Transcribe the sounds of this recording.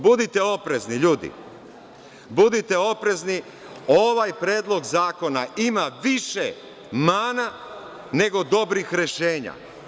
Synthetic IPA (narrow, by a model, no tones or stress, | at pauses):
bud̪it̪e̞o̞pɾe̞zniʎuːd̪ḭ | bud̪it̪e̞o̞pɾe̞zni | o̞ʋajpɾeːd̪lˠo̞ɡzaːko̞naʔimaʋiʃe | maːna | ne̞ɡo̞d̪o̞bɾixɾe̞ʃeːɲa̰